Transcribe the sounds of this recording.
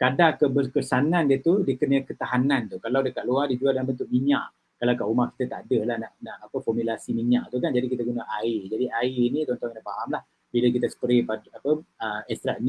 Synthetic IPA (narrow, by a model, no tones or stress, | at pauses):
kadaŋkəbərkəsanandiət̪udiəkənəkət̪aɦanant̪ukalawdəkat̪ʔ̚luadid͡ʒualdaŋambənt̪ʊʔ̚miɲa̰ʔ | kalawkaʔumaʔkit̪ət̪aadəlahnaʔnaʔapəfɔmjulasimiɲaʔt̪ukand͡ʒadikit̪əɡunaʔaɪd͡ʒadiʔainit̪ɔnt̪ɔŋkanaʔfaɦamlah | bilək̬it̪əsə̥pəɾipadapəəɛst̪ɾaʔni